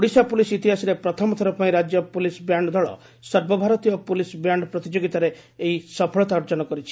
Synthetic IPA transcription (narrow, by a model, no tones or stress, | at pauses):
uɽisapulisit̪iɦasiɾepɾɔt̪ʰɔmɔt̪ʰɔɾɔpaĩɾad͡ʒjɔpulisbjaɳɖɔd̪ʱɔɭɔ̰ | sɔɾbɔbʱaɾɔt̪ijɔpulisbjaɳɖpɾɔt̪id͡ʒoɡit̪aɾeː | isɔpʰɔɭɔt̪aɔɾd͡ʒɔnɔkɔɾit͡ʃʰi̥